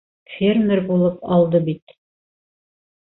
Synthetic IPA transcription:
fʲermʲɪɾbulˠɤpɑlˠd̪ɤbit̪

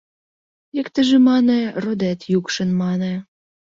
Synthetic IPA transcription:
ekt̪ə̆ʒĕmɑnĕrod̪et̪jukʃə̆nmɑnĕ

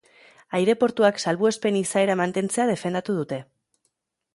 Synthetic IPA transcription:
ajɾe̞po̞ɾt̪uaksalβue̞spe̞nisae̞ɾamant̪e̞nt͡se̞að̞e̞fe̞nd̪at̪uð̞ut̪e̞

